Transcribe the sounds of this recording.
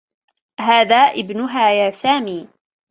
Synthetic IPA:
ɦaːðaːʔɪbnʊɦaːjaːsaːmiː

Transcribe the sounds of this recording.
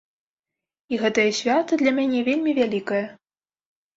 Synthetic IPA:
iɣɛt̪ɐjɐsʲvʲat̪ɐd̪lʲɐmʲanʲɛvʲelʲmʲivʲælʲikɐjɐ

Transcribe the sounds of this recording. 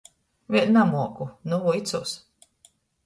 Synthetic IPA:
vʲiɛlʲnamuɔkunuvuit̪suːs

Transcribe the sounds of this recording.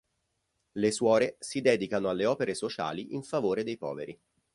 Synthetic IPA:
leswɔːɾesid̪ɛːd̪ikanoalːeɔːpeɾesot͡ʃa̰ːliʔiɱfavoːɾed̪ejpɔ̰ːveɾi

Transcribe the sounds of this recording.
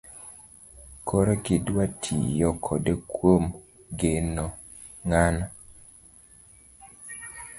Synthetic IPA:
kʰoɾekidwatʰḭjɔkʰɔdekwom | ɡenɔ | ŋana

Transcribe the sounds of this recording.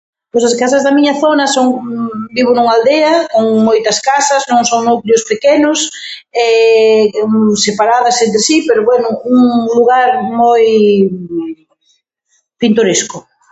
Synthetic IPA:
pojsɐskasɐzðɐmiɲɐθonɐsoŋbiβ̞ʊnuŋald̪eɐkoŋmojt̪ɐskasɐznõŋsoŋnukljʊspekenʊs | ɛ | sepaɾaðɐsent̪ɾesipeɾoβwɛnʊuŋluɣaɾmoj | pint̪oɾeskʊ

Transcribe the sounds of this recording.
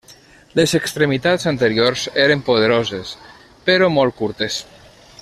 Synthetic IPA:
lezekst̪ɾemit̪azant̪eɾioɾzeɾempoðeɾozes | peɾomɔlˠt̚kuɾt̪es

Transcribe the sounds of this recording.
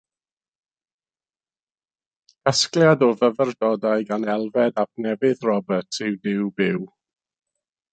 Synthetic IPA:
kʰəskljadɔvəvərdɔdaɨɡanɛlˠvɛdap̚ʰnɛvɪðrɔbətʰɪwdɪwbɪw

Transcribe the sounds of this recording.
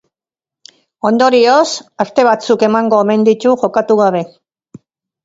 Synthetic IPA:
o̞nd̪o̞ɾiosast̪e̞β̞at͡suke̞maŋɡo̞ːme̞nd̪it̪uʝo̞kat̪uɣ̞aβ̞e̞

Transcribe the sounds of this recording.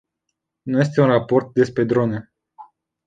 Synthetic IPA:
nuje̞s̬t̪e̞unrapo̞rt̪̚d̪e̞spɾe̞d̪ɾo̞ne

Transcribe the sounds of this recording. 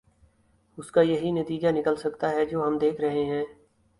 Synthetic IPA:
ʊskajɐɦinət̪iːd͡ʒanɪkəlsɐkt̪aɦɛd͡ʒoːɦɐmd̪eːkʰɾɐɦeɦɛ̃ː

